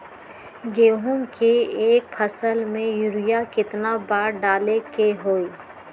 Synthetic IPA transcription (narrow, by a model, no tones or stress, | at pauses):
ɡeːɦũmkeeːk̚pʰəsəlmẽjʊɾɪjakɪt̪nabaːɾɖaːlekeɦoːiː